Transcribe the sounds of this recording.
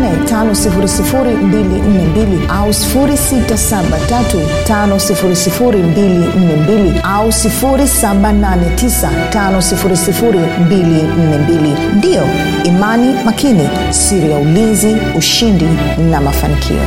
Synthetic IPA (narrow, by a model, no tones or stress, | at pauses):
nɛtanɔsifuɾisifuɾimbilin̩nɛmbiliausi̥fuɾisitasaɓatatu | tanɔsifuɾisifuɾimbilin̩nɛmbili | ausifuɾisaɓananɛtisa | tanɔsifuɾisifuɾi | mbilin̩nɛmbili | ndiɔ | imanimakini | siɾijaulinziuʃindi | namafa̰nikʰḭɔ̰